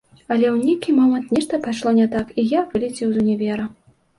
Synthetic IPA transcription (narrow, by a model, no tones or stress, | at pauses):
ɐlʲɛwnʲekʲimɔmɐnt̪nʲɛʂt̪ɐpaʂlˠɔnʲɛt̪akijavɨlʲɛt͡sʲɛwzɐnʲɛvʲɛɾɐ